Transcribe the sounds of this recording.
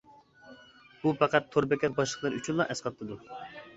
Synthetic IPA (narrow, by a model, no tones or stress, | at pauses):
b̥upæqæt̪ʰːoɾbɛkʲɛbɑʃlˠəχlˠɑɾyt͡ʃʰynlˠɑʔɛsqɑt̪ʰːɨd̪u